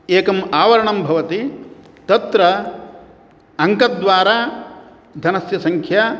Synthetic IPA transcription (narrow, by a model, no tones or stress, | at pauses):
eːkɐmaːʋɐɾɐɳɐmbʱɐʋɐt̪i | t̪ɐt̪ɾɐ | ɐŋkɐd̪ʋaːɾaː | d̪ʱɐnɐsjɐsɐŋkʰja